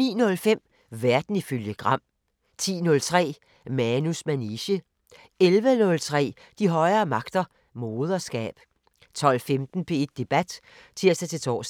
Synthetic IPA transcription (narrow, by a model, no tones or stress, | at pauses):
nḭːnɔ̽lfem̰ | ʋæɐd̥n̩iføljəɡ̥ʁɑ̈m̰ | t͡sʰḭːnɔ̽lt͡sʰʁɛ̰ː | mænusmæniɕə | elʋənɔ̽lt͡sʰʁɛ̰ː | d̥iɦɒ̽ɪɐːmɑ̈ɡ̥d̥ɐ | mo̝ːð̞ˠɐsɡ̥ɛ̰ːb̥ | t͡sʰɒ̽l̰femd̥n̩pʰe̝e̝d̥̚ːe̝b̥æd̥ | t͡sʰiɐ̰sd̥æt͡sʰe̝t͡sʰɒ̰ːs